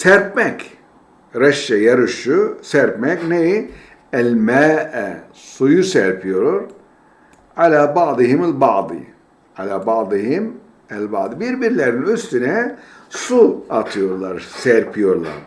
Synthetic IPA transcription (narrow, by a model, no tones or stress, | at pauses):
sɛɾpmɛk | ɾaʃːɛjaɾɯʃusæɾpmɛkneji | ælʲmæːʔɛ | sujusɛɾpʰijoɾɾ | ʕalʲaːbaʕd̪ɯɦimælʲbad̪ɯ̰ | alʲaːbad̪ɯɦim | ælʲbaʕd̪ɯbiɾbiɾlʲeɾninyst̪ynɛsuat̪ʰɯjo̞ɾlˠaɾsɛɾpʰijo̞ɾlˠa̰ɾ̥